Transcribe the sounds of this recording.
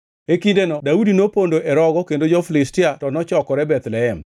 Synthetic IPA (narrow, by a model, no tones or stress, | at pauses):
ekindenɔdaudinopondoʔɛɾɔɡɔkendod͡ʒɔflɪstɪatɔnɔt͡ʃɔkɔɾɛbɛt̪lɛɛm